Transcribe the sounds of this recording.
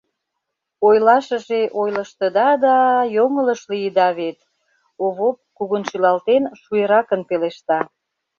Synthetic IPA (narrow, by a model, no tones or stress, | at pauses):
ojlɑʃəʒeʔojlə̆ʃt̪əd̪ɑd̪ɑjoŋələʃlijəd̪ɑβet̪ | oβop̚kuɣənʃylɑlt̪enʃueɾɑkənpeleʃt̪ɑ